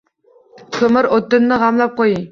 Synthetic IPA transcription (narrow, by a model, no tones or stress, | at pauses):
kʰʲømɪɾot̪ːɨnːɨʁɑmlˠɑp̚qoji